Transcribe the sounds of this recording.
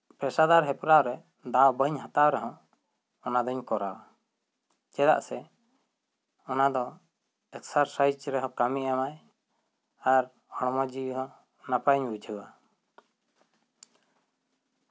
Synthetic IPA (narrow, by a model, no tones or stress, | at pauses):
pɾɛsad̪aɾɦɛpɾaɾɛ | d̪abəɲɦat̪awɾɛɦɔ̃ | ɔnad̪ɔɲkɔɾawa | t͡ʃɛla̰ʔsɛ | ɔnad̪ɔ | ɛksaɾsajt͡ʃɾɛɦɔ̃kamiʔamaj | aɾ | ɔɽ̃mɔd͡ʒiɦɔ | napaɲbud͡ʒʱəwa